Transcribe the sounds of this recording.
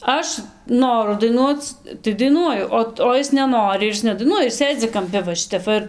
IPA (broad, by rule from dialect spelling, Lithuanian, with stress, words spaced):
ˈɐʃ ˈnoːrʊ dɐɪˈnuɔt͡s tɐɪ dɐɪˈnuɔjʊ ˈoː oː ˈɪs nʲɛˈnoːrʲɪ ɪr ˈɪs nʲɛdɐɪˈnuɔjɛ ɪr ˈsʲeːd͡zʲɪ kɐmʲˈpʲɪ ʋɐ ˈʃʲɪtʲɛp ˈʋɐ ɪr